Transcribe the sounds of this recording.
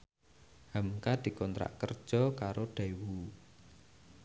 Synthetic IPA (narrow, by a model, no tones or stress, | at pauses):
hamkad̪̥i̤kɔnt̪ɾa̰ʔkərd̥ʒ̥ɔ̤kaɾoɖ̥awu